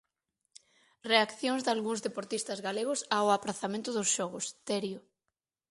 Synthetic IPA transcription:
reakθjoŋzd̪alɣuŋzðepoɾt̪ist̪ɐzɣaleɣʊsaʊapɾaθamẽnt̪ʊðʊsʃɔɣʊst̪ɛɾjʊ

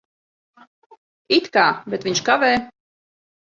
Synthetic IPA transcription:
it̪kaːbʲɛt̪vʲiɲʲʃkavɛː

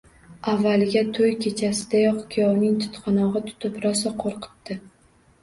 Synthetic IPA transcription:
avːalɡʲat̪ʰojkʲʰe̞t͡ʃʰasɪd̪ajɒqkʲʰijɒwnɪŋt̪ʰʊ̥t̪qʰɑnɒʁɨt̪ʰʊ̥t̪ʰɪpɾɒsaqʰoɾqʰɨ̥t̪ːɪ

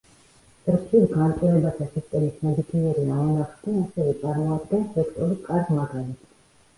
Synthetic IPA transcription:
t̪ʼɾpʰisɡant̪sʼɛvɛbat̪ʰasist̪ʼɛmismɛd̪it̪ʰiɛɾiamunaχd̪ɛnasɛvɛt̪sʼaɾmaːd̪ɡɛnsɛkʰt̪ʼɔɾukʼaɾdmaɡ̪ɛnit̪

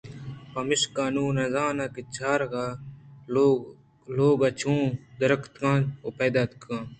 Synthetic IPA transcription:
pɐmiʂkaːnũːnɐzaːnɐkit͡ɕʰaːɾɡa | loːɡɐt͡ɕʰũːd̪ɐɾɐkʰt̪kãːoped̪at̪kʰãː

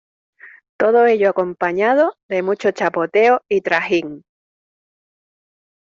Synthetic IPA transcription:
t̪oð̞oe̞ʎoako̞mpaɲað̞oðe̞mut͡ʃot͡ʃapo̞t̪e̞oit̪ɾahiŋ

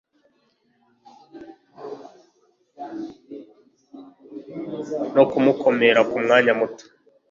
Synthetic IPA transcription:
nokumukʰo̞me̞ɾakumŋaːɲamutu̥

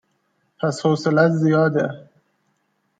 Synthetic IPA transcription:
pʰæshoːselæt̪zijɒːd̪e

